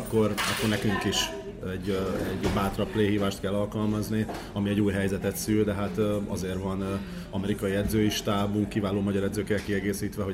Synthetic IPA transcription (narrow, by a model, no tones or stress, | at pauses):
kːo̞rɒkːo̞rnɛkyŋkiʃ | ɛɟɛɟbaːt̪rɒpleːɦiːvaːʃt̪kɛlːɒlkɒlmɒzni | ɒmiɛɟuːjɦɛjzɛt̪ɛt̪syld̪ɛɦat̪ɒ̰zeːrvɒn | ɒmɛɾikɒjiɛd̪zøːiʃt̪aːbuŋkːivaːloːmɒɟɒɾɛd̪zøːkːɛlkiɛɡeːsiːt̪ʋɛɦo